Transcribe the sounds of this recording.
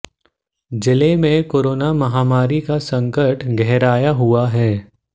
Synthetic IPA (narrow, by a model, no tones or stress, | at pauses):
d͡ʒɪlemẽkoːɾoːnamɐɦaːmaːɾikasɐ̃ŋkəʈʰɡɛɦɾaːjaɦuaɦɛː